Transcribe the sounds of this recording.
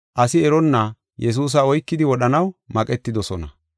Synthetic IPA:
ʔɐsɪɛɾɔnːɐ | jɛs̬uːs̬ɐɔjkːɪd̪ɪwɔɗɐnɐwmɐkʼɛt̪ːɪd̪ɔsɔnɐ

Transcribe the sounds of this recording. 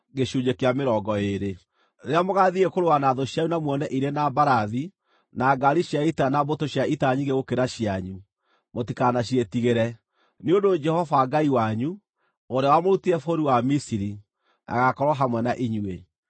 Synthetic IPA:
ɡeʃuɲekeameɾɔɡɔeɾe | ɾeamoɣaðiɣekoɾowanaðoɕjaunamwɔnɛʔiɾenabaɾaði | naɡaɾiʃjaitanabotoɕjaitaɲiɡeɣokeɾaɕjaɲu | motikanaɕietiɣeɾɛ | neondod͡ʒɛhɔvaɡaiwaɲu | oɾeawamoɾutiɾɛfoɾiwamisiɾi | nʔa̰ɣakɔɾwɔɦamwɛnaʔiɲwe

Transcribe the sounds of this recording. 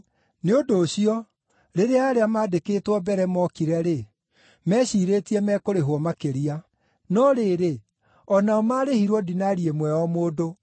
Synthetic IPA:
neodoːɕiɔ | ɾeɾeaːɾeamaːdekeːtwɔbɛɾɛmɔkiɾɛɾe | mɛːɕiːɾeːtiɛmɛːkoɾeɦwɔmakeɾia | nɔɾeɾe | ɔnaɔmaːɾehiɾwɔdinaɾiemwɛɔmoːdo

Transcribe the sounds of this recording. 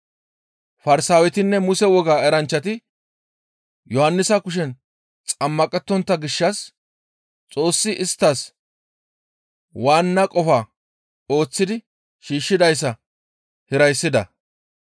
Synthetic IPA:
fɐɾsaːwɛt̪ɪnːɛmʊsɛwɔɡaːɛɾɐnt͡ʃːɐt̪ɪ | jɔhɐnːɪsɐkʊʃ̬ɛn | t͡sʼɐmːɐkʼɛt̪ːɔnt̪ːɐɡɪʃːɐs | t͡sʼo̞ːsːɪʔɪst̪ːɐs | waːnːɐkʼɔfaː | o̞ːt͡sːɪd̪ɪ | ʃiːʃːɪd̪ɐjs̬ːɐ | hɪɾɐjsːɪd̪ɐ̰

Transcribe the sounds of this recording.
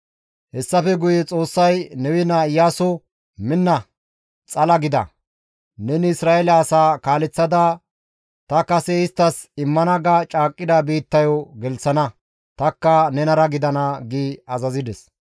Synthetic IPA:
hɛsːɐfɛɡʊjɛt͡sʼo̞ːsːɐjnɛwɪnaɪjːaːsɔ | mɪnːɐ | t͡sʼɐlɐɡɪd̪ɐ̰ | nɛnɪɪsɾaːɛlɐːsaːkaːlɛt͡sːɐd̪ɐ | t̪ɐkɐsɛɪst̪ːɐsɪmːɐnɐɡɐt͡ʃʼaːkʼːɪd̪ɐbiːt̪ːɐjɔɡɛlsɐnɐ | t̪ɐkːɐnɛnɐɾɐɡɪd̪ɐnɐɡiːɐzɐzɪd̪ɛs

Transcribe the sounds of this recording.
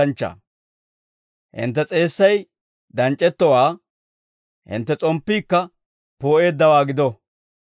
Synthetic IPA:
ɐnt͡ʃːɐ̰ | hɪ̰nt̪ːɛt͡sʼe̞ːsːɐj | d̪ɐnt͡ʃʼːɛt̪ːɔwaː | hɪ̰nt̪ːɛt͡sʼɔmpːiːkːɐ | poːʔe̞ːd̪ːɐwaːɡɪd̪ɔ

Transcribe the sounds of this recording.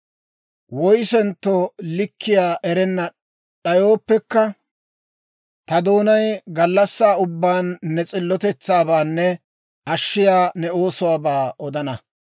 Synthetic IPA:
wɔjsɛnt̪ːɔlɪkːɪjaːʔɛɾɛnːɐ | ɗɐjo̞ːpːɛkːɐ | t̪ɐd̪o̞ːnɐjɡɐlːɐsːaːʊbːaːnːɛt͡sʼɪlːɔt̪ɛt͡sːaːbaːnːɛ | ʔɐʃːɪjaːnɛo̞ːsʊwaːbaːʔɔd̪ɐnɐ

